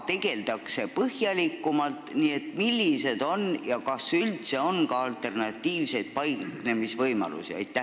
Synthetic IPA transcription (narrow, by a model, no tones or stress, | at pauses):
t̪e̞ɡ̥e̞ld̪̥ɑkse̞pɤhjɑlikːumɑlt̪nie̞t̪milːise̞d̪̥o̞njɑkɑsylt̪se̞o̞nkɑɑlt̪ˑe̞rnɑt̪ːˑiːvse̞jd̪̥̚pɑjkne̞misvɤjmɑ̰lṵsiɑ̰jt̪ːˑæ